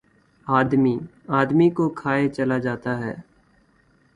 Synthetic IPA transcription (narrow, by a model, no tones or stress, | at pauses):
aːd̪miː | aːd̪miːkokʰaːet͡ʃəlaːd͡ʒaːt̪aːɦɛ̰ː